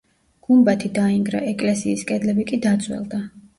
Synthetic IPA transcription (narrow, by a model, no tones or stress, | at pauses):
ɡ̥umbat̪ʰid̪aiŋɡɾa̰ʔɛkʼlɛsiːskʼɛd̪lɛbikʼid̪at̪sʰʼwɛ̰lˠd̪a